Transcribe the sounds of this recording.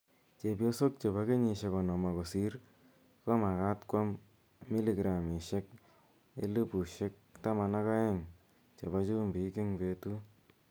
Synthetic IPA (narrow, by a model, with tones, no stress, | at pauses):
t͡ʃe˨pjo˦so˦k̚t͡ʃe˨βa˦ke˦ɲi˨ʃe˨kɔ˨nɔ˨ma˨ko˨si˦ɾ | ka˦ma˨ka˦tkwa˦mː | i˦li˨ɡɾa˨mi˨ʃe˦k̚ | ḛ˦lu˦pu˨ʃe˦k̚ta˦ma˨na˦ka˦e˦ŋ | t͡ʃe˨βa˧t͡ʃu˦mbi˨˦ki˦ŋpe˨tu˦